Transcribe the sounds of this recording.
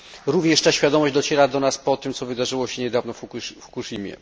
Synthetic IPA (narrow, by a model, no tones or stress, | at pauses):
ɾuvɲɛʂt̪aɕfʲjad̪ɔmɔʑd͡ʑd̪ɔt͡ɕɛɾad̪ɔnaspɔt̪ɘmt̪sɔvɘd̪aʐɘwɔɕɛɲɛd̪avnɔffkuʂimʲjɛ̰